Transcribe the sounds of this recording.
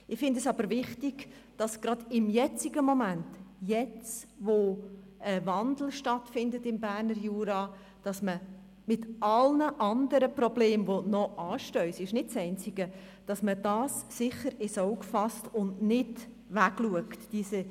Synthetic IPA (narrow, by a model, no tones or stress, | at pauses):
ɪfɪndɛsɑbəɾvɪχtɪɡ̥d̥ɑsɡ̥ɾɑd̥ɪmjɛt͡siɡəmomæntjɛt͡sʋo | əvɑnd̪l̩ˠʃtɑtfɪndətɪmbæːrnəɾjuːɾɑ | d̥ɑsmə | mɪtʔɑlnəʔɑndəɾəprɔbleːmvonɔʔɑːʃtœʏsɪʃnɪdsɛɪnt͡sɪɡə | d̥ɑsməd̥ɑːsːɪχəɾɪsoʊkfɑstʊndnɪd | væɡluəktd̥iːsə